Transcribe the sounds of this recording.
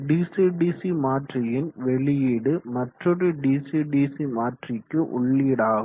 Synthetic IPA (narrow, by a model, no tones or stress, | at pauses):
ɖiːsiɖiːsimaːʈrɪjɪnʋɛɭɪjiːɽɯmɐʈrɔɾɯɖiːsiɖiːsimaːʈrɪkːɯʔʊ̰ɭːiɽaːɣɯ